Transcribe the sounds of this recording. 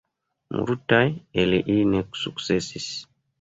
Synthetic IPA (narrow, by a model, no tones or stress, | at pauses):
mṵɾutajeleʔineksuksɛsis